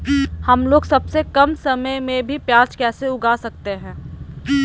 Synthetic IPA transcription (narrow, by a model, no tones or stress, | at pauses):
hɐmloːɡsɐbsekɐmsɐməjmẽbʱipjaːt͡ʃkɛːseʊɡaːsɐk̚t̪eɦɛ̃ː